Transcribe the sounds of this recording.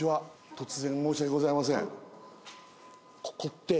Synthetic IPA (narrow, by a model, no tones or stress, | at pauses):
iβat̪o̞t͡sɨzẽ̞mmo̞ːɕiaɡeɡo̞zaimas̬ḛ̃ŋ | kʰo̥ko̞t̪ːe̞